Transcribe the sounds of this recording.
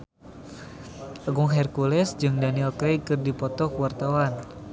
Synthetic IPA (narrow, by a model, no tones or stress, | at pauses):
ʔaɡuŋɦɛrkulɛsd͡ʒɨŋdaniɛlkɾɛjkɨrdipɔt̪ɔkuwart̪awan